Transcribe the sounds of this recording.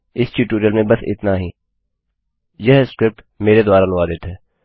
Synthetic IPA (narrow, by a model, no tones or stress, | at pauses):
ɪst͡ʃiʈuːɾiəlmẽbɐsɪ̰t̪naɦi | jɛɦskɾɪp̚ʈ | meːɾed̪ʊwaːɾalʊʋad̪eːt̪ɛː